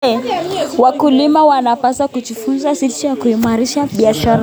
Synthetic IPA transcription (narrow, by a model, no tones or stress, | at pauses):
ɛwakulimawanapasakuʄifunzasit͡ʃijakuimaɾiʃaɓiaʃaɾa